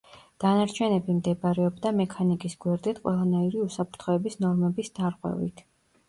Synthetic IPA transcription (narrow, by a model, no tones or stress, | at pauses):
d̪̥anaɾt͡ʃʰɛnɛbimd̪ɛbaɾɛɔbd̪amɛkʰanikʼisɡwɛɾd̪it̪ʰqʼwɛ̰lˠanaiɾiusapʰɾt̪ʰχɔɛbisnɔɾmɛbisd̪̥aɾqʼwɛ̰vḭt̪ʰ